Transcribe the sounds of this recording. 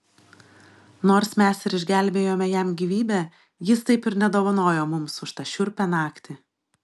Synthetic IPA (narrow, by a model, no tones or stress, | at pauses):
noːɾsmʲɛsɪɾɪʒʲɡʲæˑlʲbʲeːjoːmʲɛjɛmɡʲiːʋʲiːbʲɛː | jɪst̪ɐɪpɪɾnʲɛd̪oːʋɐnoːjoːmʊmsʊʃt̪ɐʃʲʊɾʲpʲɛnɑːkt̪ʲɪ